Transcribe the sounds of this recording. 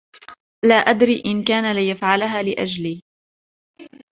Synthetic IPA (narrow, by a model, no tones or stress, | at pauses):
laːʔad̪ɾiːʔɪnkaːnalɪjafʕalaɦaːlɪʔa̰d͡ʒliː